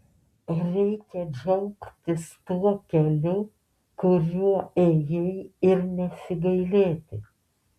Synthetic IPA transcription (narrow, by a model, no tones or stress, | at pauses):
ɾʲɛɪkʲɛd͡ʒɛʊkt̪ʲɪst̪uɔkʲɛlʲʊ | kʊɾʲuɔeːjɛɪɪɾnʲɛsʲɪɡɐɪlʲeːt̪ʲɪ